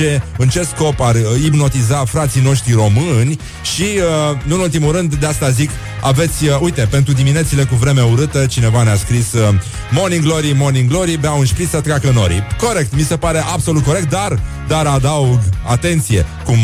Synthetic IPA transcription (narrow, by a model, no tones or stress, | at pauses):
e̞ɨnt͡ʃe̞sko̞paribno̞t̪izafɾat̪sino̞ʃt̪ɾiro̞mɨnʲ | ʃiənɨnult̪imuɾɨnd̪d̪east̪azik | a̰ve̞t̪sʲəujt̪e̞pe̞nt̪ɾud̪imine̞t̪sile̞kuvɾe̞meuɾɨt̪ət͡ʃine̞vaneaskɾisə | mo̞niŋɡlo̞ɾimo̞niŋɡlo̞ɾibeaunʃpɾit̪sət̪ɾeakəno̞̰ɾḭko̞ɾe̞k̚t̪mise̞paɾe̞ʔabso̞lut̪koɾekt̪̚d̪ar | d̪aɾad̪auɡat̪e̞nt̪sije̞kum